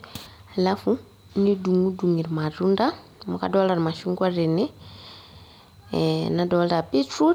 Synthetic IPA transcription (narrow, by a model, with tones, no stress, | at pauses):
ala˦fu˦ | ni˦du˨ŋu˦du˨ŋi˨ɾma˨ɾu˦nda˦ | mu˨ka̰dɔ˦la˨ɾma˨ʃu˦ŋɡwa˦ɾe˨ne˦ | na˦dɔ˨lɾa˨pi˦tu˦